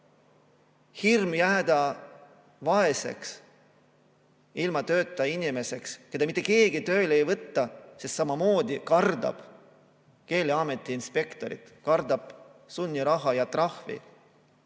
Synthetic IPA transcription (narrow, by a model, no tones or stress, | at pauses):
hirmjæːd̪̥ɑ | vɑe̞se̞̰ks | ilmɑt̪ø̞ːt̪ːˑɑinʲime̞se̞kske̞d̪ɑmit̪ːˑe̞ke̞ːɡ̥it̪ø̞ːlejvɤt̪ːɑsest̪sɑmɑmo̞ːd̪ikɑrd̪ɑ̰b̥ | ke̞ːleɑme̞t̪ːˑiːnspe̞kt̪o̞ɾḭt̪kɑrd̪ɑb̥sunʲːiɾɑɦɑjɑt̪rɑhvḭ